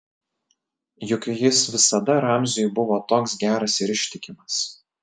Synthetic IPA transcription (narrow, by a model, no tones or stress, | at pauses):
jʊkʲːjɪsʋʲɪsɐd̪ɐɾɑˑmʲzʲɪjʊbʊʋoːt̪oːksɡʲæːɾɐsɪɾɪʃʲt̪ʲɪkʲɪmɐs